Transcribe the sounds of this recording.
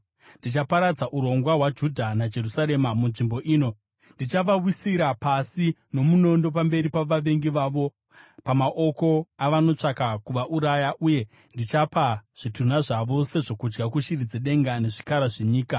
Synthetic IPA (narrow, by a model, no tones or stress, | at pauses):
ndit͡ʃapaɾad͡zaʔuɾo̞ŋɡwawad͡ʒudʱanad͡ʒe̞rusaɾe̞mamunʐimbo̞ʔiːno̞ | ndit͡ʃaʋawisiɾapasino̞muno̞ndo̞p̬ambe̞ɾipaʋaʋe̞ŋɡiʋaːʋo̞ | pamaʔo̞ko̞aʋano̞t͡ʂakakuʋaʔuɾajaʔuje̞ | ndit͡ʃapaʐ̥itun̤aʐaʋo̞se̞ʐo̞kud͡ʒɡakuʃirid͡zeɗe̞ŋɡane̞ʐikaɾaʐe̞ɲiːka